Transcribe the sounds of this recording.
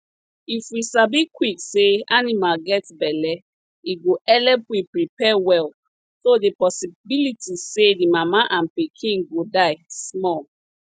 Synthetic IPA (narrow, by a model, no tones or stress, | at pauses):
ifisabikwikseanimalɡɛtbɛlɛ | iɡoʔɛlɛpwipɹipʰɛwɛl | sodepɔsibilitʰisedimamaʔãnpikʰĩnɡodaɪsmɔl